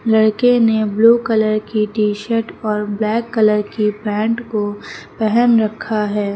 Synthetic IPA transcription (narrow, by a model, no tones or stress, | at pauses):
lɐɽkenebluːkɐləɾkiʈiːʃəɾʈɔːɾblɛːkːɐləɾkipɛ̃ːɳʈkopɛɦɛnɾɐkʰːaɦɛː